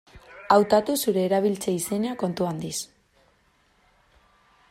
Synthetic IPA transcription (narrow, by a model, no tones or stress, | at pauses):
awt̪at̪usuɾe̞ːɾaβ̞ilt͡seise̞neako̞nt̪uand̪is